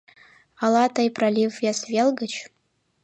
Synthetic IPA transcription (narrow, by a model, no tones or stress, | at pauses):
alatʰajpʰralʲivjasvʲelɡat͡ʃʰ